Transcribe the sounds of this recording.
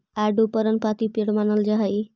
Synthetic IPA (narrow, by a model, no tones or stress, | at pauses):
aɖupəɾənpat̪ipiɽmanəld͡ʒaɦaj